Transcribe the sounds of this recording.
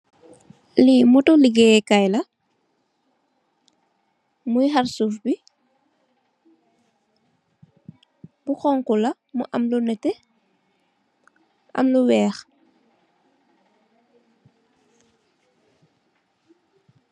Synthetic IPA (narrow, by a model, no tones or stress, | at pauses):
limutuliɡɛːkajlɐ | mujɦaɾsufbi | buxɔŋkulɐ | muʔɐmlunɛtɛ | ʔɐ̰mluwɛːx